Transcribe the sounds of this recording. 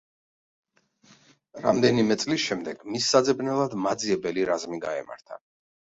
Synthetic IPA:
ɾa̰md̪ɛnimɛt̪sʼlisʃɛmd̪ɛɡ̥misːad̪zɛbnɛlˠad̪mad̪ziɛbɛliɾazmiɡaɛma̰ɾt̪ʰa̰

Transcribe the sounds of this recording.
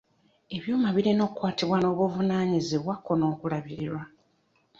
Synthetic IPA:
e̞βjoːmaβiɾino̞kwaːtiβwano̞ːβuvunaːɲiziβwakːo̞no̞ːkulaβiɾiɾwa

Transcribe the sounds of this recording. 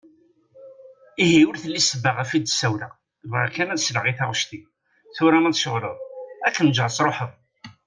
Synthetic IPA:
ihiwəɾθəlːisəbːəʁæfid̪sːæwla | vækænæðsləʁiθaʁʃt̪i | θʊɾæmæðʃəʁləðˤækːənd͡ʒʕəsˤɾˤoħəð

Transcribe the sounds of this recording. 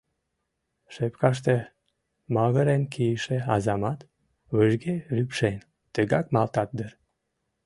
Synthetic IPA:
ʃepkɑʃ̬t̪e | mɑɣəɾenkʰijəʃeɑzɑmɑt̪ | βəʒɡerypʃen | t̪əɣɑkmɑlt̪ɑt̪̚d̪əɾ

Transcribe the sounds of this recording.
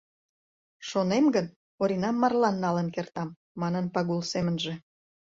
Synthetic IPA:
ʃonemɡən | oɾinɑmːɑrlɑnːɑlənkert̪ɑmː | ɑnənpɑɣulsemənʒe̽

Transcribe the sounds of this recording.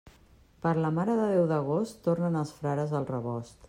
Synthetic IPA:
pəɾləmaɾəðəðɛwðəɣostt̪ornənəlˠsfɾaɾəzəlˠrəβɔst̪

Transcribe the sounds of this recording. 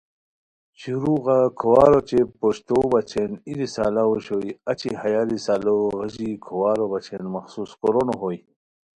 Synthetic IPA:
t͡ɕuɾuɣakʰowaːɾot͡ɕepoɕt̪obɐt͡ɕʰenilisaːlaoɕojɐt͡ɕihajaːɾisaːloɣəʑikʰowaːɾobat͡ɕʰenmɐxsuskoɾonoɦoj

